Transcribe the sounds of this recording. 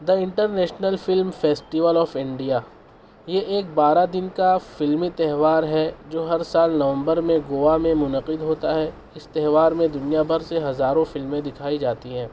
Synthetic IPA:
d̪ɐɪ̃ɳʈəɾnɛːʃnəlfɪlmfeːsʈɪʋəlɔːfɪ̃ɳɖija | jeʔeːk̚baːɾad̪ɪnkafɪlmit̪ɛɦʋaːɾɦɛd͡ʒoːɦɐɾsaːlnɐʋə̃mbəɾmẽɡoːʋamẽmʊnəqɪd̪ɦoːt̪aɦɛ | ɪst̪ɛɦʋaːɾmẽd̪ʊnijabɐɾseɦɐzaːɾõfɪlmẽd̪ɪkʰaːid͡ʒaːt̪iɦɛ̃ː

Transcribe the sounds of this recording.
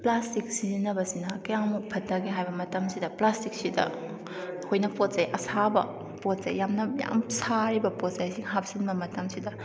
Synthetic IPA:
plastik̚siznɐbɐsinɐkɐjaŋmuk̚pʰɐtːɐɡiɦajbɐmɐtɐmsidɐplastik̚sidɐ̰ | hojnɐpot̚zajʔɐsabɐ̰ | pot̚z̥ɐjjamnɐja̰msaɾibɐpot̚zajsiŋɦap̚sinbɐmɐtɐmsidɐ

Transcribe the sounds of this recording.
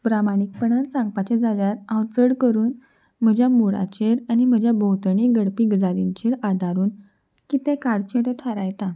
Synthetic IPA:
bɾamanik̚pəɳãnsãŋɡ̚pat͡ɕed͡zaljaɾãwt͡səɽkəɾuːn | m̤əd͡ʑʱjamuɽa̰t͡ɕeɾanim̤əd͡ʑʱjabəwt̪əɳiːɡəɽpiːɡd͡zaliɲt͡ɕeɾad̪ʱaɾuːn | kit̪ẽkaɽt͡ɕeʈet̪ʰəɾajt̪a

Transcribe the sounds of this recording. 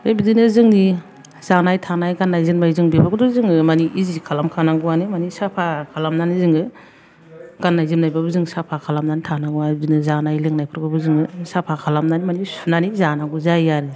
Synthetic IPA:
ebidinɯzɯŋni | zanajtʰanajɡanːajzɯnmajzɯŋbibaɡɔdɔzɯŋɯmaniʔizikʰalamkʰanaɡɯwanimanisapʰakʰalamnanizɯŋɯ | ɡ̥anːajzɯmnajbabɯzɯŋsapʰakʰalamnanitʰanaɡuabidinɯzanajleŋnajpʰɯɾɡɯbɯzɯŋɯsapʰakʰalamnanimanisunanizanaɡuzajaɾɯ

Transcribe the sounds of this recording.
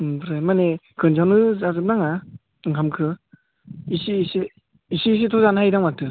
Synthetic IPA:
bʰɯɾajmanekʰɯnd͡ʒawnɯzazɯp̚naŋa | ɯŋkʰamkʰɯ | isiːsi | isiːs̬itʰɔzanhajdaŋmak̚tʰɯ

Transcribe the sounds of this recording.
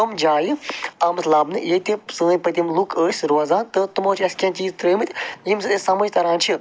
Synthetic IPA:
ɐmd͡ʒaːjiaːmslaːbnɨjet̪isɨənʲpɐt̪ʲimlukəːsʲɾozaːnt̪ɨt̪umaːt͡ʃʰiɐskʲãːt͡ʃiːzt̪ɾəjmɨt̪ʲjimsɨt̪esɐmɐd͡ʒʲt̪ɐɾãːnt͡ʃʰi

